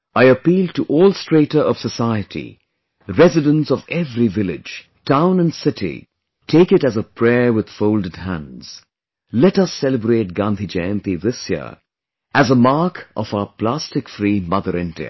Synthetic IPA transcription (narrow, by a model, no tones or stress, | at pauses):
aɪəpiːlˠdtəʔɔːlˠstɹ̥eɪtə˞ʌv̥səsaɪɨɾʰḭ | ɹɛzɨdə̃nsʌvɛvɾivɪlɪ̰̥d͡ʒ̥ | tʰãʊ̃nə̃nsɪtʰḭ | tʰeɪkɨɾɨzəpʰɹ̥ɛɹwɨð̥foʊlˠdɨd̚hæ̰̃nz̥ | lɛtʌsɛləbɹeɪt̚ɡ̥ɑ̃nd̪id͡ʒẽnt̪iðɪsjḭə̰ | ʔæzəmɑɹkʔʌ̰faʊpʰl̥æstɨkfɹimʌðəɾɪ̃ndḭɨ̰